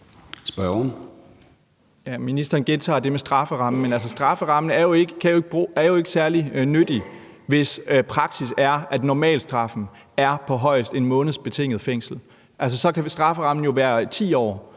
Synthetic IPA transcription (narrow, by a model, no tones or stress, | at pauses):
sb̥ɶn | jæminisd̥ɐːnɡ̥e̝nt͡sʰɑ̰̈ːd̥e̝mesd̥ʁɑ̈fəʁɑ̈m̰n̩menæls̬əsd̥ʁɑ̈fəʁɑ̈m̰nəæɐjo̝eɡ̥əkʰæjo̝ɡ̥əb̥ʁuːæɐjo̝e̝ɡ̥sæɐlinød̥i | ʋe̝spʰʁɑ̈ɡ̥sisæɐæd̥nɒmɛ̰ːld̥sd̥ʁɑ̈fn̩ | æɐpʰɒ̽ɦɒ̽ɪ̰sd̥e̝nmɔ̽ːnð̩ˠsb̥e̝t͡sʰe̝ŋ̰ð̩ˠfeŋ̰sl̩ | ʔæls̬əsɒ̽kʰæsd̥ʁɑ̈fəʁɑ̈mn̩jo̝ʋæːɐt͡sʰḭːɒ̰ː